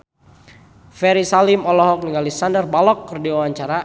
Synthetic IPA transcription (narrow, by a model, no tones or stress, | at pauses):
fɛɾisalimɔlɔɦɔk̚niŋalɛsandərbalɔkːərdiwawaɲt͡ʃaɾa